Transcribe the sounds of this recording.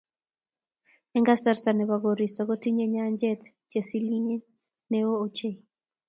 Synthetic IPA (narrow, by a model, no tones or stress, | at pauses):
ɛŋɡasaɾtaneβaɣoɾistɔɣotiɲeɲaɲd͡ʒɛt | t͡ʃesiliɲe | neoot͡ʃe